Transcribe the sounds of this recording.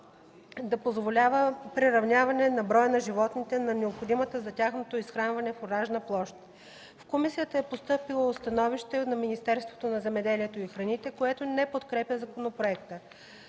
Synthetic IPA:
d̪ɐpozvolʲavəpɾiɾɐvnʲavɐnɛnɐbɾɔjənɐʒivɔt̪nit̪ɛnɐnɛopxod̪imət̪əzɐt̪ʲaxnot̪oisxɾanvɐnɛfoɾaʒnəplˠɔʃt̪ | fkomisijət̪əɛpost̪ɤpilˠost̪ɐnɔviʃt̪ɛnɐminist̪ɛɾst̪vo̥t̪onɐzɛmɛd̪ɛliɛt̪oixɾɐnit̪ɛkoɛt̪onɛpot̪kɾɛpjəzɐkonopɾoɛkt̪ə

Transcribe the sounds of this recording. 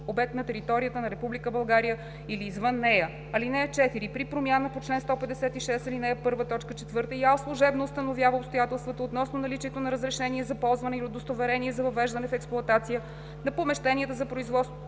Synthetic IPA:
obɛk̚t̪nɐt̪ɛɾit̪ɔɾijət̪ənɐɾɛpublikəbɐlˠɡaɾijə | iliːzvɤnːɛjə | ɐlinɛjət͡ʃɛt̪iɾipɾipɾomjanəpot͡ʃlɛnst̪ɔpɛd̪ɛsɛt̪iʃɛsɐlinɛjəpɤɾvət̪ɔt͡ʃkət͡ʃɛt̪vɤɾt̪əiaslˠoʒɛbnoːst̪ənovjavəopst̪ojat̪ɛlˠst̪vət̪əot̪nɔsnonɐlit͡ʃiɛt̪onɐɾəzɾɛʃɛniɛzɐpɔlˠzvɐnɛiɾod̪ost̪ovɛɾɛniɛzɐvɐvɛʒd̪ɐnɛfɛksplˠʊɐt̪at̪sijə | nɐpomɛʃt̪ɛniɛt̪əzɐpɾoizvɔt̪st̪vo

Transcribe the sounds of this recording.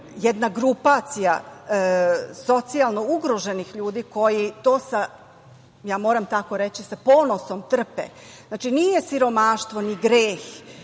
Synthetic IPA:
jɛd̪naɡɾupat̪sija̰ | so̞t̪sialˠnouɡɾoʒe̞nixʎuːd̪iːko̞jit̪oːsa | jaːmo̞ːɾamt̪ako̞ɾe̞t͡ɕisapo̞ːno̞so̞mt̪r̩pḛznaːt͡ʃinijesiɾo̞maʃt̪ʋo̞niɡɾeːx

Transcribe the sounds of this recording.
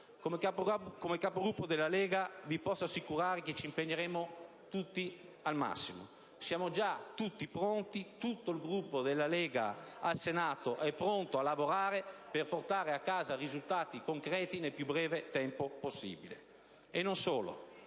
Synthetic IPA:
kokomekːapoɡɾupːod̪elːalɛːɡavipɔsːasikuɾaːɾeket͡ʃːimpeɲːeɾɛːmo | t̪ut̪ːi | alma̰sːimo̰ | sjaːmod͡ʒat̪ut̪ːipɾont̪it̪ut̪ːoilɡɾupːod̪elːalɛːɡa̰alsenaːt̪oʔɛpːɾont̪oalːavoɾaːɾeperport̪aːɾeakːaːzarizult̪aːt̪ikoŋkɾɛːt̪inelpjubɾɛːvet̪ɛmpoposːḭːbilḛ | enːonsoːlo̰

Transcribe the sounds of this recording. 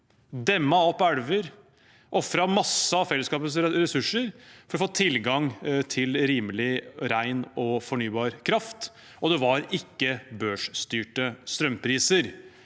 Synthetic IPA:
d̪ɛmːɑɔpːæɽʋəɾ | ʔɔfɾɑmɑsːəɑfɛlːəskɑːpəsɾɛsʉʂːəɾfɔɾɔfoːt̪ʰɪlɡɑŋt̪ʰɪlɾiːmlɪɾæɪnɔfɔɳyːbɑːɾkʰɾɑft̪ | ɔd̪ɛʋɑɾɪkːəbøːʂst̪yːʈəst̪ɾœmpʰɾiːsəɾ

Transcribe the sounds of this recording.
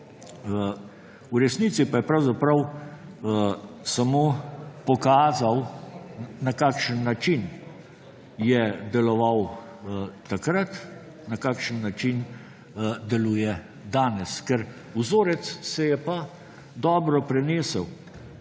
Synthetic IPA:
uɾɛsnit̪sipajɛpɾawzapɾɐw | samoːpɔkaːzaw | nakaːkʃənːat͡ʃin | jɛd̪ɛlɔʋaw | t̪akɾat̪ | nakakʃənːat͡ʃin | d̪ɛluːjɛ | d̪aːnɛskɛɾ | uzoːɾɛt̪ssɛjɛpa | d̪ɔːbɾɔpɾɛneːsəw

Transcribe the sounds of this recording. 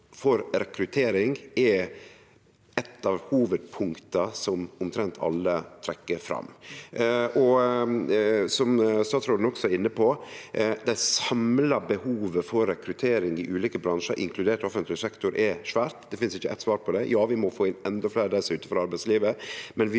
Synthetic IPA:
fɔɾɾɛkɾʉt̪ʰeːɾɪŋɛ | ɛt̪ʰːɑʋhuːʋəd̪̚pʰʊŋkt̪ɑsɔmʊmt̪ʰɾɛnt̪ʰɑ̰lːət̪ʰɾɛkːəfɾɑ̰mː | ʔɔ | sɔmst̪ɑːt̪sɾoːd̪n̩ɔksɔæɾɪnːəpʰɔ | d̪æɪsɑmlɑbəhuːʋəfɔɾːɛkɾʉt̪ʰeːɾɪŋɪʔʉːliːkəbɾɑnʂə̰ɾʔɪ̰ŋkʰlʉd̪eːʈɔfənt̪lɪsɛkt̪ʊɾʔɛʂʋæːɾt̪d̪ɛfɪnsɪçːəʔɛɪt̪sʋɑːɾpʰɔd̪ɛjɑːʋɪmɔfoːɪnɛnd̪ɔfleːɾəd̪æsʉːt̪əfɔɾɑɾbæɪsliːʋəmɛnʋɪ

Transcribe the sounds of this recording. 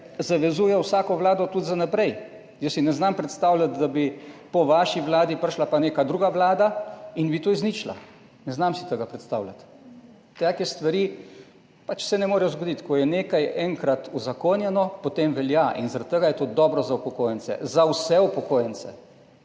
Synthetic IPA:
zaʋɛzuːjɛwsaːkɔʋlaːd̪ɔt̪ut̪zanapɾɛj | jəsːinɛznampɾɛt̪st̪awlʲat̪d̪abipɔʋaʃiʋlaːd̪ipəɾʃlapaneːkad̪ɾuːɡaʋlaːd̪ainbit̪oːizniːt͡ʃla̰ | nɛznamsit̪əɡapɾɛt̪st̪a̰ːwlʲa̰t̪ | t̪akɛst̪ʋaɾi | pat͡ʃsɛnɛmoːɾɛjɔzɡɔd̪it̪kɔjɛneːkajɛŋkɾat̪uzakonjɛnɔpot̪emʋɛljaʔḭnzaɾat̪t̪ːəɡajɛt̪oːd̪ɔbɾɔzaupɔkoːjənsɛ̰zawsɛupɔkoːjənsɛ̰

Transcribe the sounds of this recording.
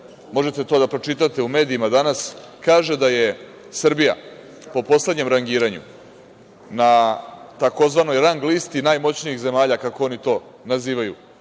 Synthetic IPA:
mo̞ʒet̪e̞t̪o̞ːd̪apɾo̞t͡ʂit̪at̪e̞ume̞ːd̪iimad̪anas | kaːʒe̞d̪aje̞ | sr̩bija̰ | po̞po̞sle̞d̪ɲe̞mɾaŋɡiːɾaɲṵ | nat̪ako̞zʋano̞jɾaŋɡlist̪inajmo̞t͡ɕniixze̞maːʎakakoo̞nit̪o̞ | naziːʋajṵ

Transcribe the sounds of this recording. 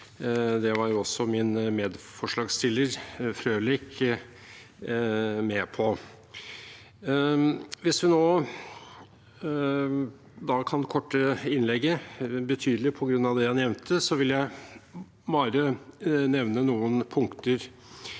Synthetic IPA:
d̪ɛʋɑɾjʊɔsːɔmɪnmeːd̪fɔʂɭɑːɡst̪ʰɪlːəɾfɾøːlɪk | mɛpʰɔ | ʋɪsʋ̪ɪnoː | d̪ɑːkʰɑnkʰɔʈːəɪnlɛɡːəbət̪ʰyːd̪lɪpʰɔɡɾʉnːɑʋd̪ɛhɑnjɛʋnt̪ʰəsɔʋɪljæɪ | bɑːɾənɛʋnənuːənpʰʊŋkt̪əɾ

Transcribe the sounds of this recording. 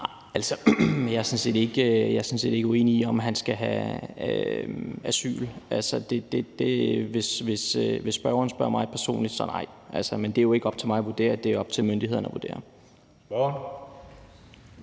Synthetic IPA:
nɑɪælsɒjɑ̈æsɒ̽nse̝̰ːd̥e̝ɡ̥øjɑ̈sɒ̽nse̝̰ːde̝ɡ̥oe̝ːniiɒ̽mɦænsɡ̥æɦæø | æsy̰ːlʔælsɒd̥e̝d̥e̝d̥e̝ʋe̝sʋe̝søʋe̝sːb̥ɶɐʊɐːn̩sb̥ɶɐ̰mɑ̈ɪpʰæɐso̝̰ːnlid̥sɒ̰nɑ̈ɪ̰ʔælsɐmend̥eæjo̝e̝ɡ̥ɒ̽b̥̚t͡sʰe̝lmɑ̈ɪɒʋuɐd̥e̝̰ːɐd̥e̝ɒ̽b̥̚t͡sʰe̝lmønd̥iheð̰ˠɐnɒʋuɐd̥e̝̰ːɐ

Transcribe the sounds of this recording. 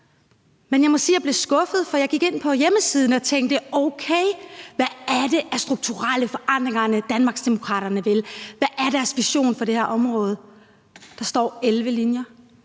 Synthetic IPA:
menjɑ̈ɪmɒ̽siːjɑ̈ɪb̥le̝sɡ̥ɔ̽fð̞̩ˠfɒjɑɪɡ̥iɡ̥e̝n̰pʰɒ̽jeməsiːð̞ˠn̩ɒ̽t͡sʰeŋ̰ɡd̥əoʊkʰeɪʋææɐɾe̝ʔæɐsd̥ʁuɡ̥̚t͡sʰuʁal̰əfɒ̽ʔɑn̰d̥ʁeŋɐnəd̥ænmɑ̈ːɡ̥sd̥emo̝kʰʁɑ̰̈ːɾɐnəʋe̝lʋæʔæɐɾæɐsʋiɕo̝̰ːnfɒ̽ɾ̥e̝hæɐʔɒ̽mʁɔ̽ːð̞ˠ | d̥ɑ̈sd̥ɒ̰ːelʋəlinjɐ

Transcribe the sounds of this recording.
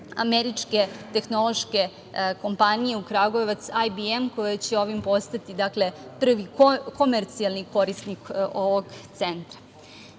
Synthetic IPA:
a̰meɾit͡ʃke̞t̪e̞xno̞lo̞ʃke̞ | ko̞mpanije̞ukɾaɡo̞eʋat̪sajbiemko̞jet͡ɕeo̞ʋimpo̞st̪at̪id̪akle̞pr̩ʋiko̞meɾt̪sialˠniko̞ɾisniko̞ʋoɡt̪se̞nt̪ɾḁ

